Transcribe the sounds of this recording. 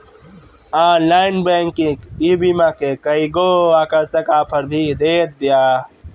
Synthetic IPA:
aːnlaːɪnbẽːŋkĩkibimakekɐiɡoakəɾsɐkaːpʰəɾbʱid̪eːt̪̚bjaː

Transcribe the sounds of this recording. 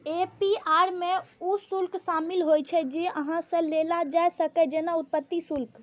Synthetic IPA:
epiaɾmeusulkʃamilɦojt͡ʃʰɛd͡ʒeʔəɦãsə̃lelad͡ʒaɛsəkɛd͡ʒenaut̪̚pət̪ːisulk

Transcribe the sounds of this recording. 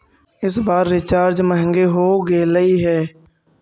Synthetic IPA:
ɪs̬baːɾːɪt͡ʃaːɾd͡ʒməɦə̃ŋɡeɦoːɡeːləiɦɛː

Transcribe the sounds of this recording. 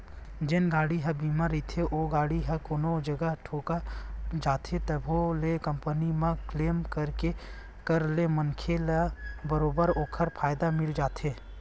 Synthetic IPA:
d͡ʒɪnɡaːɽiɦɐbiːmaɾit̪ʰeʔoːɡaːɽiɦɐkoːnod͡ʒəɡəɦʈʰoːkad͡ʒaːt̪ʰet̪ɐbʱolekɐmpənimãkleːmkəɾke | kəɾlemənkʰelabəɾoːbəɾoːkʰəɾpʰaːjd̪amɪld͡ʒaːt̪ʰeː

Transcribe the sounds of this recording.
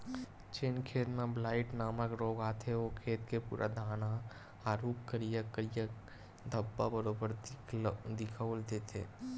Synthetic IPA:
t͡ʃenkʰeːt̪mẽblaːɪʈnaːməkɾoːɡaːt̪ʰeoːkʰeːt̪kepṵːɾʔa̰d̪ʱaːna | aːɾuːkkːəɾijəkːəɾijək | d̪ʱəbːabəɾoːbəɾ | d̪ɪkʰəwld̪eːt̪ʰḛː

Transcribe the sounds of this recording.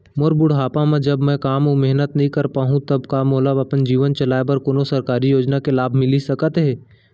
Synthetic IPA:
moɾbʊɽɦaːpamẽd͡ʒɐbmɛ̃kaːmomeɦnət̪nɐɦĩkɐɾpaːɦũt̪ɐbkamoːləbɐpənd͡ʒiːʋənt͡ʃɐlaːebɐɾkoːnosɐɾkaːɾijoːd͡ʒnakelaːbʱmɪlisɐkət̪ɦɛː

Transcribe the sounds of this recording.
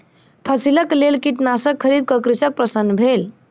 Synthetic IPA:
pʰəsiləklelkiʈnasəkʰːəɾid̪̚kəkɾisək̚pɾəsənːbʱel

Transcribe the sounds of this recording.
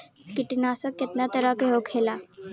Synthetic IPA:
kiʈinasəkːet̪nat̪əɾakeɦokʰhela

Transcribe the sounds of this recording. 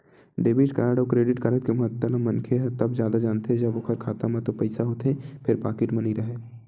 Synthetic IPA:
ɖeːbɪʈkaɾaɽokɾeːɖɪʈkaːɾət̪kemɐɦət̪ːəlamːɐ̃nkʰeɦt̪ɐbzjaːd̪ad͡ʒaːnt̪eɦɛ̃d͡ʒɐbʊkʰəɾkʰaːt̪ãmãt̪opɐɪsaɦoːt̪ɦẽpʰɪɾpa̰ːkɪʈmɐniɾɐɦeː

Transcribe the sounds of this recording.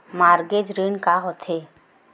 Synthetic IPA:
maːɾɡed͡ʒɾinkaɦot̪ʰɦe

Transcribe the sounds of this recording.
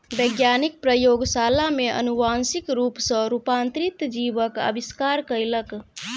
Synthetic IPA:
bəjɡjanik̚pɾəjoɡsalameʔə̰nuʋansikɾupsə̃ɾupant̪ɾit̪d͡ʒibəkə̰biskaɾkəjlək

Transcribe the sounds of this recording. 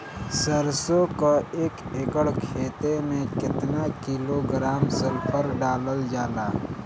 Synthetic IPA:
səɾsokaeːkeːkəɽkʰeːt̪emẽkɪt̪nakiːloɡɾaːmsəlpʰəɾɖaːləld͡ʒaːlaː

